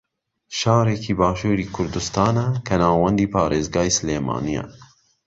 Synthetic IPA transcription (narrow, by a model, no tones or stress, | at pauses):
ʃɑːɾekʰiːbɑːʃuːɾiːkʰʊɾd̪ust̪ɑːnɛkʰɛnɑːwɛnd̪iːpʰɑːɾeːzɡɑːisleːmɑ̰ːnijɛ̰